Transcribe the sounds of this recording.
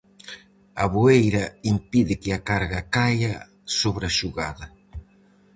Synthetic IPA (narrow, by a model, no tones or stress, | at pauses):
ɐβuejɾɐimpiðɪkɪakaɾɣakajɐ | soβɾaʃuɣaðɐ